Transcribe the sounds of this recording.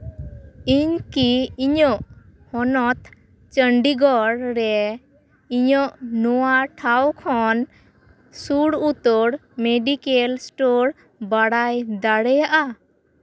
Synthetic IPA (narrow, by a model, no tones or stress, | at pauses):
iɲkiiɲɔʔ | hɔnɔt̪ | t͡ʃəɳɖiɡɔɽɾɛ | iɲɔʔnɔwaʈʰawkʰɔn | suɽut̪ɔɽmeɖikelsʈoɾ | baɽajd̪aɽɛjaʔa